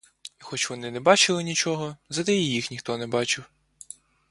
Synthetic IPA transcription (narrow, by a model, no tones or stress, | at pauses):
ixɔt͡ʃʋɔnɪnɛbɑt͡ʃɪlˠɪnʲit͡ʃɔɦɔzɐd̪ɛjijixnʲixt̪ɔnɛbɑt͡ʃɪw